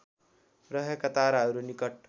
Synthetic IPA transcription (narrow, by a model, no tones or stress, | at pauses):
ɾəɦekɐt̪aɾaɾunikəʈ̚